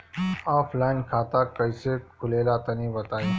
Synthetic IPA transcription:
aːpʰlaːɪnkʰaːt̪akɐisekʰʊleːlat̪ɐnĩbɐt̪aːi

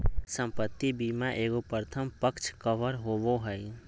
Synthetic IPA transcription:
sə̃mpət̪ːibimãʔeːɡopəɾət̪ʰəmpəkt͡ʃʰkəʋəɾɦoːʋoɦəj

